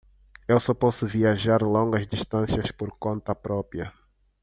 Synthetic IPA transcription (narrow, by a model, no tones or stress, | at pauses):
ewsɔpɔsʊviaʒaɾlõŋɡɐzd̪iʃt̪ɐ̃sjɐspoɾkõnt̪ɐpɾɔpjɐ